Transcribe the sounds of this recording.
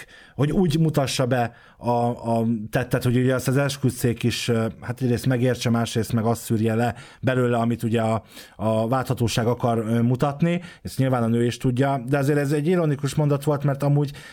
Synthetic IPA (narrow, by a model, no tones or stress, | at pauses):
ho̞ɟuːɟmut̪ɒʃːɒbɛ | ɒː | t̪ɛt̪ːɛt̪hoɟuɟɛɒst̪ɛzɛlʃkyt̪seːkiʃhat̪ɛɟreːst̪mɛɡeːrt͡ʃɛmaːʃreːst̪mɛɡɒst̪syːrjɛlɛ | bɛløːlɛɒmit̪uɟɛɒː | vaːlt̪hɒt̪oːʃaːɡɒkɒrmut̪ɒt̪nieʃɲilvaːnɒnøːiʃt̪uɟːɒd̪ɛɒzeːɾɛzɛɟːiɾonikuʃmo̞nd̪ɒt̪ʋo̞lt̪mɛrt̪ɒmuːɟ